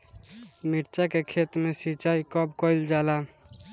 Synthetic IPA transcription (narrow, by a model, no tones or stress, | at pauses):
miʈt͡ʃakekʰet̪mesit͡ʃaikɔbkɔɪld͡ʒala